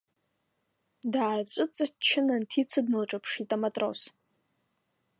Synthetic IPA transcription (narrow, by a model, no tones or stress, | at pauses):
daːt͡sʷʼʊt͡sʼat͡ʃʰɪnantʰit͡sʰadnɨlʈ͡ʂʼapʰʂitʼamatʼro̰s